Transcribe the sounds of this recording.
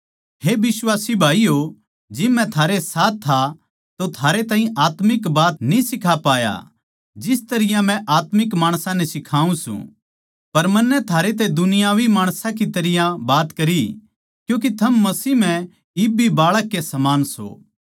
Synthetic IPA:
ɦebɪswaːsibʱaːijo | d͡ʒɪmːɛ̃t̪ʰaːɾesaːt̪ʰːa | t̪ot̪ʰaːɾet̪aːɦĩʔaːt̪mɪkbaːt̪nĩsɪkʰapaːja̰ | d͡ʒɪst̪ɐɾɪjãmɛ̃ʔaːt̪mɪkmaːɽ̃sãnɛsɪkʰaːũsṵ̃ | pɐɾmɐnːɛt̪ʰaːɾet̪̬ɛd̪ʊnɪjaːʋimaːɽ̃sãkit̪ɐɾɪjãbaːt̪kɐɾi | kjũːk̬it̪ʰɐmːɐsiːɦmɛ̃ | ɪbibaːɭəkːesɐmaːnso̰ː

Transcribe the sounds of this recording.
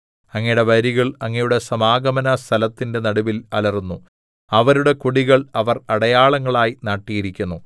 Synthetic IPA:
ɐŋːɐjɽeʋɐɾiɣɐɭɐŋːɐjuɽe̞sɐmaːɡɐmɐnɐst̪ʰɐlɐt̪ːinde̞nɐɽuʋilɐlɐrunːu | ɐʋɐɾuɽe̞kuɽiɣɐɭɐʋɐrɐɽɐjaːɭɐŋːɐɭaːjinaːʈːijiɾikʲːunːu

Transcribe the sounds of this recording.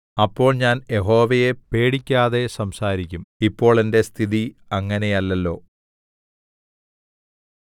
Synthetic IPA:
ɐpːo̞ːɭɲaːnje̞ɦo̞ːʋɐje̞pe̞ːɽikʲːaːðe̞sɐmsaːɾikʲːumipːo̞ːɭe̞nde̞st̪ʰiðiɐŋːɐne̞jɐlːɐlːo̞ː

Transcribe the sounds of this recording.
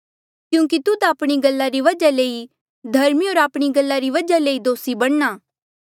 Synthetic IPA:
kjũːk̬it̪ʊd̪aaːpɽ̃iɡɐlːaɾiʋɐd͡ʒaleːi | d̪ʱɐɾmioːɾaːpɽ̃iɡɐlːaɾiʋɐd͡ʒaleːid̪oːsibɐɽ̃naː

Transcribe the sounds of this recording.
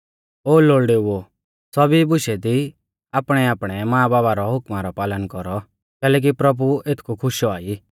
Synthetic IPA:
oːloːɭɖeuo | sɔbibʊʃɛd̪i | aːpɽ̃ɛaːpɽ̃ɛmãːbaːbaɾɔɦʊkmaɾɔpaːlənkɔɾɔ | kɛːlɛːk̬ipɾɐbuet̪ʰkʰukʰʊʃɔaːi

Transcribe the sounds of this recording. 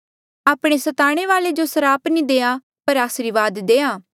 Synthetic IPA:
aːpɽ̃esɐt̪aːɽ̃eʋaːled͡ʒosɐɾaːpnĩd̪eːã | pɐɾaːsɾiʋaːd̪d̪eːãː

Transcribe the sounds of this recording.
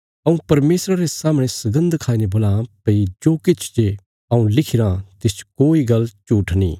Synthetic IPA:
ɐũpɐɾmeːsɾaɾesaːmɽ̃esɐɡə̃nd̪kʰaːinebolãpɐid͡ʒoːkɪt͡ʃʰd͡ʒe | ɐũlɪkʰɪɾãt̪ɪt͡ʃkoːiɡɐlːt͡ʃuːʈʰnḭː

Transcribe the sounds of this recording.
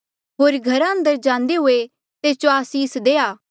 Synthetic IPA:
ɦoːɾɡʱɐɾãə̃nd̪əɾd͡ʒãːnd̪eɦʊe | t̪eːt͡ʃoaːsiːsd̪eːaː

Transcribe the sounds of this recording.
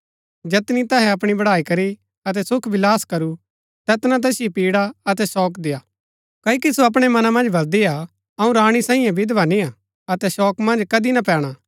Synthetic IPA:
d͡ʒɛːt̪nit̪ɐɦɛɐpɽ̃ibɐɽaːikɐɾi | ɐt̪̬ɛsʊkʰʋɪlaːskɐɾu | t̪ɛːt̪nãt̪̬ɛːsɪjipiːɽaɐt̪ɛsɔːkd̪ejaː | kɐːikisoɐp̬ɽ̃emɐnamɐ̃nd͡ʒbɐld̪ia | ɐũɾaːɽ̃isaːĩjãbʱid̪ʋania | ɐt̪ɛʃɔːkmɐ̃nd͡ʒkɐd̪inapɛːɽ̃a

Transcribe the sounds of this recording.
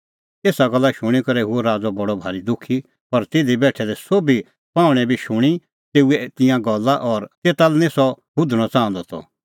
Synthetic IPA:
eːsaɡɐlːaʃʊɽ̃ikɐɾɛɦuoɾaːd͡zɔbɐɽɔbʱaːɾid̪ʊkʰi | pɐɾt̪eːd̪ibɛːʈʰɛd̪ɛsoːbi | pãːʊɽ̃ɛ̃bʱiʃʊɽ̃i | t̪eːuɛt̪ɪ̃jãɡɐlːaʔɔːɾt̪eːt̪alɛnẽsɔbʊd̪ʱəɽ̃ɔt͡sãːə̃nd̪ɔt̪ʰɔ̰

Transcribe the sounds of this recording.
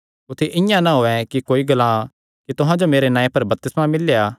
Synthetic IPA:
ʊt̪ʰeʔɪ̃jãnaɦoːɛkikoːiɡɐlã | kit̪ʊɦãd͡ʒomeːɾenãːẽpɐɾbɐp̚t̪ɪsmãmɪlejaː

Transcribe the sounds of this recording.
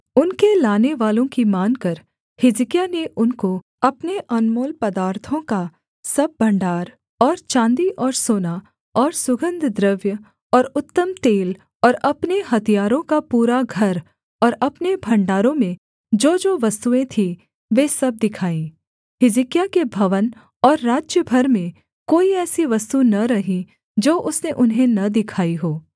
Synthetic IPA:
ʊnkelaːneʋaːlõkimaːnkɐɾ | hɪzkjaneʔʊnko | ɐpneʔɐnmoːlpɐd̪aːɾt̪ʰõka | sɐb̚ːɐ̃ɳɖaːɾ | ɔːɾt͡ʃãːnd̪iʔɔːɾsoːna | ɔːɾsʊɡə̃nd̪ʱd̪ɾəʋjə | ɔːɾʊt̪ːəmt̪eːl | ɔːɾɐpneɦɐt̪ʰijaːɾõkapuːɾaɡʱɐɾ | ɔːɾɐpnebʱɐ̃ɳɖaːɾõmẽ | d͡ʒoːd͡ʒoːʋɐst̪uẽt̪ʰi | ʋeːsɐb̚d̪ɪkʰaːĩː | ɦɪzikijakebʱɐʋən | ɔːɾːaːd͡ʒjəbʱɐɾmẽ | koːiɛːsiʋɐst̪unɐɾɐɦĩ | d͡ʒoːʔʊsneʔʊnɦẽnɐd̪ɪkʰaːiɦoː

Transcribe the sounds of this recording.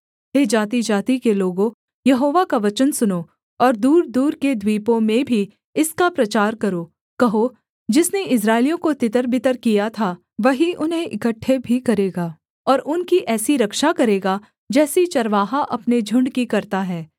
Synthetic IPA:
ɦeːd͡ʒaːt̪id͡ʒaːt̪ikeloːɡõ | jɐɦoːʋakaʋɐt͡ʃənsʊno | ɔːɾd̪uːɾd̪uːɾked̪ʱwiːpõmẽbʱi | ɪskapɾɐt͡ʃaːɾkɐɾoː | kɐɦo | d͡ʒɪsneɪs̬ɾaːɪlijõkot̪ɪt̪əɾbʱɪt̪əɾkijat̪ʰa | ʋɐɦiʔʊnɦẽʔɪkəʈʰːebʱikɐɾeːɡaː | ɔːɾʔʊnkiʔɛːsiɾɐkʃakɐɾeːɡa | d͡ʒɛːsit͡ʃɐɾʋaːɦaʔɐpned͡ʒʱʊ̃ɳɖkikɐɾt̪aɦɛː

